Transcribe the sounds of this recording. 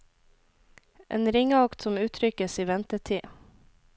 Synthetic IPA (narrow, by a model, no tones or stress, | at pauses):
ʔḛːnɾɪŋəɑkt̪sɔmʉːt̪ʰɾʏkəsiːʋɛnt̪əʈʰiː